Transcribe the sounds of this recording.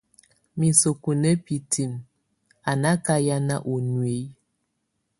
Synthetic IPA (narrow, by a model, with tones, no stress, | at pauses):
mi˨so˨ku˨ne˦pi˨tʰi˨m | a˨na˦ka˦ja˦na˦ʔu˨nwe˨˦